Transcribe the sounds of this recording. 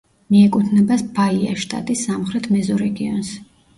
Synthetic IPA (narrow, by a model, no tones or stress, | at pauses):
miɛkʼut̪ʰnɛbasb̥aia̰ʃt̪ʼa̰t̪ʼisːamχɾɛt̪ʰmɛzɔɾɛɡiɔ̰ns